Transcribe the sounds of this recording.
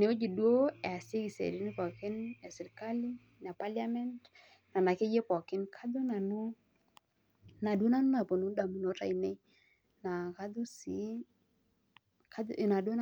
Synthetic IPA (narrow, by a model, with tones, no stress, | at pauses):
ne˨o˦d͡ʒi˨dwo˦ɛ˨a˨se˦ki˨sḛ˨ɾi˦nɪ˦pɔ˨kɪ˦nɛ˨sɪ˨ɾka˦li˦ | na˨pa˦lja˦mɛ˦nt | na˨na˨ke˦je˦pɔ˨kɪ˦nkʰa˦dʊ˦na˨nu˦ | na˨dwo˦na˦nʊ˦na˨po˨nu˨˦da˨mi˨no˨˦ta˨i˨ne˦ | na˨ka˦dʊ˦si˨˦ | ka˦˨na˨do˦n